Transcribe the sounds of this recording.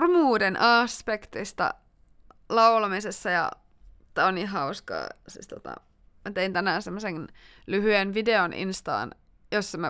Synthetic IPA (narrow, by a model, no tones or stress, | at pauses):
rmuːdenʔɑspekt̪ist̪ɑ̰ | lɑulɑmisesːɑjɑ̰ | t̪æːonniːɦɑuskɑ̰ːsḭst̪ot̪ɑ̰ | mæt̪eint̪ænæːnsemːose | lyhyenʋideonʔḭnst̪ɑ̰ːn | josːɑmæ